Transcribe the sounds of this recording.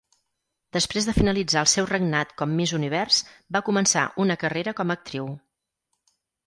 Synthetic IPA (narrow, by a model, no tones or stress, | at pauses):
d̪əspɾezðəfinəlid͡zaəlˠsɛwrəɡnat̪kɔmːizuniβ̞ɛrsbakumənsa̰ʔunəkəreɾəkɔmək̚t̪ɾiw